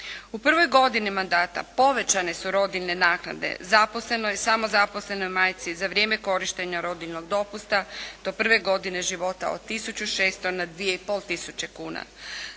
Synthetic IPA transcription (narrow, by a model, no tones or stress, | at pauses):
upr̩ʋo̞jɡo̞d̪inimand̪aːt̪a̰po̞ʋe̞t͡ɕane̞suɾo̞d̪ilne̞naːkna̰d̪ḛzaposle̞nojsamo̞zaposle̞no̞jmaːjt̪sizaʋɾʲjeːme̞ko̞ɾiʃt̪e̞ɲaɾo̞d̪ilno̞ɡd̪o̞pust̪ad̪̥o̞pr̩ʋe̞ɡo̞d̪ine̞ʒiʋo̞t̪a̰od̪̚t̪ːisut͡ɕuʃeːst̪o̞nad̪ʋijeipo̞lˠt̪isut͡ɕe̞kuːna̰